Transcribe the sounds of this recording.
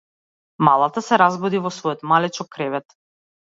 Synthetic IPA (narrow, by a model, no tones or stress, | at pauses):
malˠat̪asɛɾazbɔd̪ivɔsvɔjɔt̪malɛt͡ʃɔkːɾɛvɛt̪